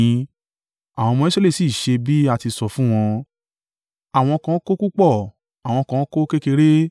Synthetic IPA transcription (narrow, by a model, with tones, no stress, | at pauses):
a˨w̃ɔ̃˧mɔ̃˧˦i˦se˦le˦˨si˦˨ʃe˧bi˦a˧˨ti˧sɔ˨fũ˦w̃ɔ̃˧ | a˨w̃ɔ̃˧kã˧˦ko˦ku˦k͡pɔ˦˨ | a˨w̃ɔ̃˧kã˨˧˦ko˦ke˦ke˧ɾe˦